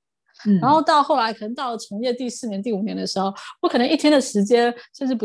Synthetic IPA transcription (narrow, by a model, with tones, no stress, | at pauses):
ɻa˧˥nxo˥˧ʊt̪ɑ˥˧ʊxo˥˩ʊla˧˥ɪkʰɤ˨˩ə˧˥ŋt̪ɑ˥˩ʊlə˨˩ʈ͡ʂʰʊ˧˥ŋjɛ˥˧t̪i˥˧sɹ̩˥˩njɛ˧˥nt̪̬i˥˩u˨˩njɛ˧˥nd̪ə˧ʂɻ̩˧˥xo˥˩ʊwɔ˧˥kʰɤ˨˩˧ŋʔi˥˩t̪ʰjɛ˥nd̪ə˩ʂɻ̩˧˥t͡ɕjɛ˥nʂə˥˧ʈ͡ʂɻ̩˥˩pu˧˥